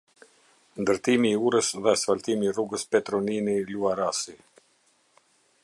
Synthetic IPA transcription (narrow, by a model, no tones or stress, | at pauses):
nd̪əɾt̪imiːuɾəsðɛsfalt̪imiːruɡəspɛt̪ɾɔniniluaɾasi